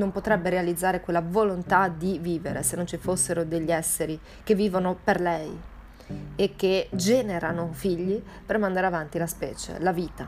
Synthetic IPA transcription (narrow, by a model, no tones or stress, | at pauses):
nompot̪ɾɛbːeɾealid̪zːaːɾekwelːavolont̪ad̪iviːveɾḛsenːont͡ʃifosːeɾod̪eʎːiɛsːeɾi | kevːiːvonoperlɛj | ekːed͡ʒɛːneɾanofiʎːi | permand̪aɾeavant̪ilaspɛ̰ːt͡ʃḛlaviːt̪a